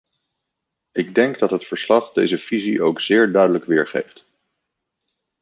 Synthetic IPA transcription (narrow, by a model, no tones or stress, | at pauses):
ɪɡ̚dɛŋɡdɑtɦətfəɹslɑχdejzəv̥iziʔowkz̥ɪːɹdœɥdələkʋɪːɹχḛjft